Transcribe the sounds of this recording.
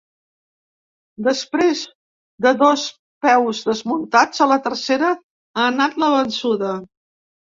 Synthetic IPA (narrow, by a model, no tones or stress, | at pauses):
d̪əspɾez | d̪əðɔs | pɛwzðəzmunt̪ad͡zələt̪ərseɾə | aːnat̪ləβənsuðə